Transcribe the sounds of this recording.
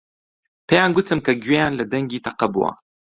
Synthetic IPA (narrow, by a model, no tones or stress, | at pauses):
pʰejaːnɡʊt̪ʰɨmkʰɐɡɥejaːnlɐd̪ɐŋɡiːt̪ʰɐqɐbṵwa̰